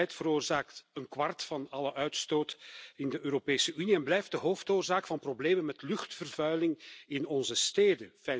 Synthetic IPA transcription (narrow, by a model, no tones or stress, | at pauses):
ɛjtfəɾoːrzaːktənkwɑrtfɑnɑləʔœɥtstoːtɪndəʔøːɾopeːsəyniɛnblɛjfdəɦoːftoːrzaːkfɑnprobleːmənmɛtlʏxtfərvœɥlɪŋɪnɔnzəsteːdəfɛ